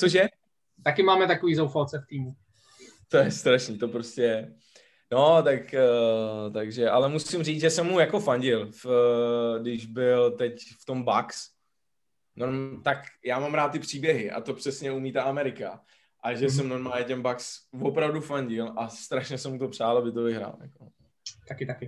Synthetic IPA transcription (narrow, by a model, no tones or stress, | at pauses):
t͡soʃ̬jɛ | t̪akɪmaːmɛt̪akoviːzowfalt͡sɛft̪iːmu | t̪ojɛst̪ɾaʃniːt̪o̞pɾoscɛ | no̞t̪ak | t̪aɡʒɛʔalɛmusɪmriːd͡zʒɛsɛmːujako̞faɲɟɪlf | dɪʒbɪlt̪ɛcft̪o̞mbaks | noɾmt̪akjaːmamɾaːt̪̚ːɪpr̝̥iːbjɛɦɪʔa̰t̪o̞pr̥ɛsɲɛumiːt̪aʔamɛɾɪka | ʔaʒɛs̬ɛmno̞ɾmaːlɲɛtɛnbaksvo̞pɾavdufaɲɟɪlʔast̪ɾaʃɲɛsɛmut̪o̞pr̝aːlabɪt̪ovɪɦɾa̰ːljako | t̪akɪt̪akɪ